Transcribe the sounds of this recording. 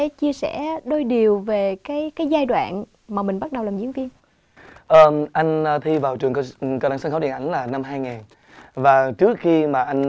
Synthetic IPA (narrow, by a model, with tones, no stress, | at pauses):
e˨˦t͡ɕi˧əsɛ̰˧˥ɗo˧jɗi˨˩əwve˨˩kaː˨˦jkaː˨˦jzaː˧jɗwa̰ː˧˨n | maː˨˩mï˨˩ŋ̟ɓa˦˥t̚ɗə˨˩wlaː˨˩mzḭ˧˥əŋvi˧ən | ʔəː˨˩ʔa˧jŋ̟ː˧t̪ʰi˧vaː˨˩wt͡ɕɨ˨˩əŋkkɔ˧wɗaː˨˧˦ŋsnxə˧˦i˨ə˩na˧˩jŋ̟laː˨˩na˧mɦaː˧jŋaː˨˩n | vaː˨˩t͡ɕɨ˦˥ək̚xi˧maː˨˩ʔa˧jŋ